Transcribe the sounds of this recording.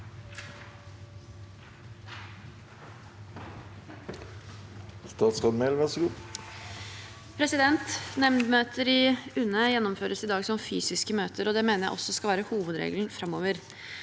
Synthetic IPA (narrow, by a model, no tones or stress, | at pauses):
st̪ɑːt̪skɑd̪melʋɛsɾu | pʰɾɛsɪd̪ɛnt̪nɛmnd̪møːt̪ʰəɾɪʉnːəjɛnːɔmføːɾəsɪd̪ɑːɡsɔmfyːsɪskəmøːt̪ʰəɾɔd̪ɛmeːnəɾjæ̰ɪʔɔsːɔskɑlʋæːɾəhuːʋəd̪ɾḛːɡln̩fɾɑmːoːʋəɾ